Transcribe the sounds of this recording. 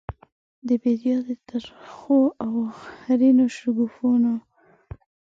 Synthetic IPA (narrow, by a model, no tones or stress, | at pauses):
d̪əbed̪ijɑd̪ət̪aɾxoawhaɾinoʃʊɡufuno